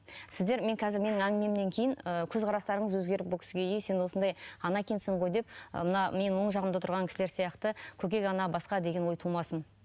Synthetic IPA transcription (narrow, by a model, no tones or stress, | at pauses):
sɪzd̪e̞ɾme̞ŋkʲʰɑzɪɾme̞nɪŋæŋɡʲɪme̞mne̞ŋkʲʰe̞jɪnəkʲʰɵzqʰɑɾɑst̪ɑɾəɴəzwɵzɡʲe̞ɾɪp̚bolkʲʰɪ̥sɡʲe̞jejsenwo̞sənd̪ɑjɑnɑkʲʰensɪɴʁo̞jd̪e̞p̚ə̰mənɑme̞nwo̞ɴʒɑʁəmd̪ət̪ʰʊɾʁɑŋkʲɪ̥sɪle̞ɾsijɑqt̪əkʲʰɵk̬ʲe̞kʲɑnɑbɑsqɑd̪e̞ɡʲe̞nwo̞jt̪ʰəlˠmɑsən